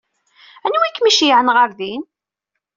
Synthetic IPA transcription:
ænwikːmiʃjʕənʁəɾðin

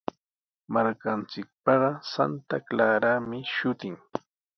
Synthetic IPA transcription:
maɾkant͡sɪk̚pɑɢɑsa̰nt̪aklaːɾamɪʃʊt̪ɪŋ

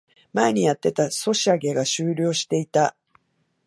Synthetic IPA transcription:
mae̞ɲ̟ijat̪ːe̞t̪aso̞ɕiaɡe̞ɡaɕɨːɾʲo̞ːɕi̥t̪e̞it̪a

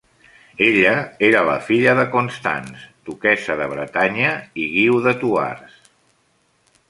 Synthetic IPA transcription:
eʎəeɾələ̰fiʎəðəkunst̪a̰nst̪ukɛsəðəβɾət̪aɲəiɣiwðət̪ua̰rs

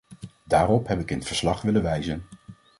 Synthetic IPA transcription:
daːrɔpɦɛpɪkɪnətfəɹslɑχʋɪləʋɛjzən

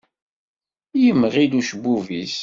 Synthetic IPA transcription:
jəmːʁiluʃəbuvis

